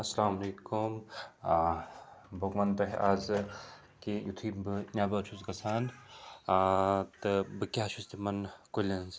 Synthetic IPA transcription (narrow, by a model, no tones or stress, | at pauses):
ɐsɐlaːmɐleːkum | bokmɐnt̪ɐɦeʔaːz | kijut̪ʰibɨnʲaːbɐt͡ʃʰuskɐsʰaːn | t̪ɨbɨkʲaːʃust̪imɐnkolʲɐnz